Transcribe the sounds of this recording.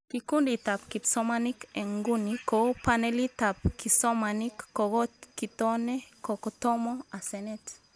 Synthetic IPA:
kikunditapkisɔmanikeŋɡunikopanɛlitapkisɔmanikːɔɣɔkitɔnɛkɔkɔtɔmɔasɛnɛt

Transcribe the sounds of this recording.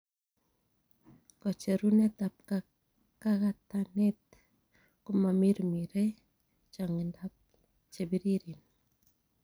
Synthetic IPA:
kɔt͡ʃeɾunɛt̪ap̚ka | kakat̪anɛt̪ | kumamiɾmiɾɛ | t͡ʃaŋindap̚ | t͡ʃebiɾiɾin

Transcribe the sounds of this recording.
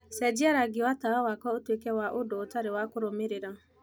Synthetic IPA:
sɛd͡ʒɪaɾaɡɪwataɾawakɔotuekewaʔʊdʊʊtaɾɪwakʊɾomeɾiɾa

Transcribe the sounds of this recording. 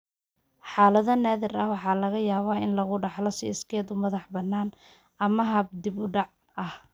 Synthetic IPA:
ħɑːlɐðɐnːaːðɪrɐhwɑħɑːlɐɣɐjaːβaːɪnlɐɣʊɖɑħlɔsɪɪskʰɛːd̪ʊmɐðɑħbɐnːaːn | ɐmɐɦɐb̚d̪ibʊɖɑʕ | ɐh

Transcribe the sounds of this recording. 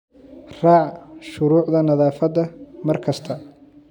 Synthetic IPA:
r̥ɑːʕʃʊɾuːʕd̪ɐnɐðaːfɐd̪ɐmɐrkʰɐst̪ʰɐ

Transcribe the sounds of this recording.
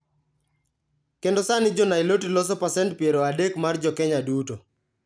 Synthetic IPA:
kendosanɪd͡ʒɔnailotilɔs̬ɔpasɛntpjeɾoadekmard͡ʒɔkɛɲaduto

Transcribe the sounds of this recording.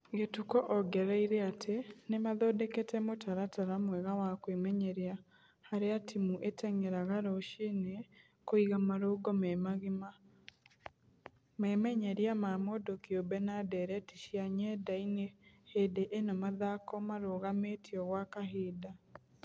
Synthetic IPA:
ɡetukɔʔɔɡɛɾaiɾɛatʰenemaðoːdeketɛmotʰaɾataɾamwɛɣawakwemɛɲɛɾja | haɾeatʰimuʔetɛŋeɾaɣaɾoʃene | koiɣamaɾoɡɔmɛmaɣma | mɛmɛɲɛɾjamamodokiobɛnadɛɾɛtiʃjaɲɛdainehedeʔenɔmaðakɔmaɾoɣametiɔɣwakaɦeːda

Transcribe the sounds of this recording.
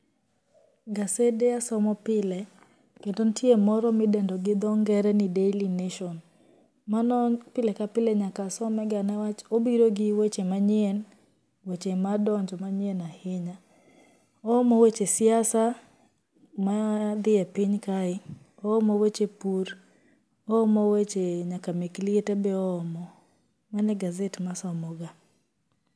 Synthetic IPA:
ɡasedeasɔmɔpɪlɛ | kendontjemɔɾɔmɪdɛndɔɡɪd̪ɔŋɡɛɾɛnɪdelineʃɔn | manɔpɪlɛkapɪleɲakasɔmɛɡanawat͡ʃobiɾoɡɪwet͡ʃemaɲɪɛn | wet͡ʃemadɔɲd͡ʒɔmaɲɪɛnahɪɲa | ɔːmɔwet͡ʃesɪasa | mad̪ɪapiɲkaɪ | ɔɔmowet͡ʃepuɾ | ɔːmɔwet͡ʃeɲakameklietebɛɔːmɔ | manɛɡazetmasɔmɔɡa

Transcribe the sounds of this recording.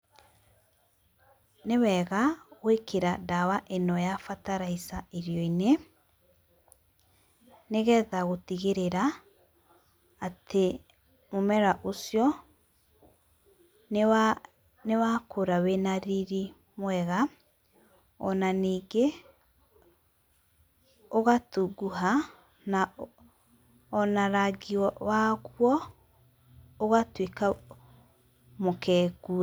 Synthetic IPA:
newɛɣawekeɾadawaʔenɔjafataɾaisaeɾjɔine | neɣɛðaɣotiɣeɾeɾa | tʰe | momɛɾaʔosjɔ | newakʰoɾawenaɾiɾi | mwɛɣa | ɔnaniːɡe | oɣatuɡuɦa | na | ɔnaɾaɡiɔwaɣwɔ | oɣatweka | mokʰɛːɡuɛ

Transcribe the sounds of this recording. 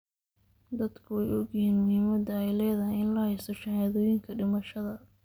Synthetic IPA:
d̪ɐd̪kʰʊɛjɔɡjɪhiːnmʊhiːmɐd̪ɐɛjlɛːðɐhɪjɪnlɐhɛjst̪ɔʃɑhaːðɔːjɪŋkʰɐɖɪmɐʃɐðɐ

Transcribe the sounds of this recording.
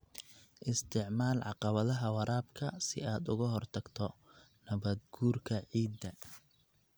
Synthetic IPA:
ʔɪst̪ʰɪʕmaːlʕɑqɑβɐðɐɦɐwɑɾaːbkʰɐsɪ̰aːd̪ʊɣɐɦɔrt̪ʰɐɡ̥t̪ʰɔ | nɐβɐd̪ɡuːrkʰɐʕiːd̪ːɐ

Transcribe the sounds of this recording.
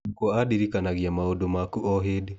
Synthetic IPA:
kwɔadiɾikanaɣiamaodomakuʔɔɦede

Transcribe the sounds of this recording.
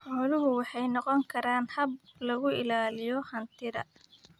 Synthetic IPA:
ħɔːlʊɦʊwɑħɑjnɔqɔŋkʰɐɾaːnhɐb̚lɐɣʊɪlaːlɪjɔhɐnt̪ʰɪɾɐ̰

